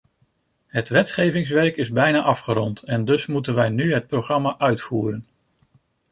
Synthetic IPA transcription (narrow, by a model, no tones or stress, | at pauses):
ɦətʋɛtχejvɪŋs̬ʋɛrkɪzbɛjnaːʔɑfχəɾɔntɛndɵsmutənʋɛjnyɦət̚proχrɑmaʔœɥtfuːɾən